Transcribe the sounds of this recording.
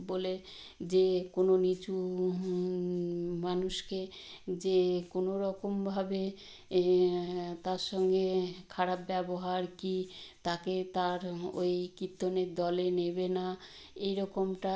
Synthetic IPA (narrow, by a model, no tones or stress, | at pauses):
bole | d͡ʑekononit͡ɕu | manuʃked͡ʑekonoɾɔkombʱabe | t̪aɾʃɔŋɡekʰaɾapbɛboɦaɾkit̪aket̪aɾojkit̪ːoneɾd̪ɔlenebena | ejɾɔkomʈa